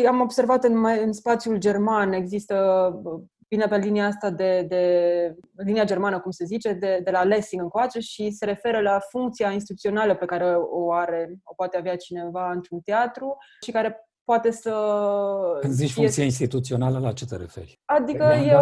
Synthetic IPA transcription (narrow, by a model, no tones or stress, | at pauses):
amo̞bse̞rvat̪ɨnmaɨnspat̪sjuld͡ʒermane̞ɡzist̪ə | vinepe̞liniaast̪ad̪e̞d̪e̞ | liniad͡ʒe̞rmanəkumse̞zit͡ʃe̞d̪e̞d̪elale̞siŋɡɨnŋkoat͡ʃe̞ʃise̞ɾe̞fe̞ɾəlafuŋkt̪siains̬t̪it̪ut̪io̞naləpe̞kaɾe̞oaɾe̞o̞poat̪eaveat͡ʃine̞vaɨnt̪ɾunt̪eat̪ɾuʃikaɾe̞ | poat̪e̞sə | kɨnzit͡ʃʲfuŋk̪sijainst̪it̪ut̪sio̞naləlat͡ʃet̪eɾḛfḛɾʲ | ad̪ikəje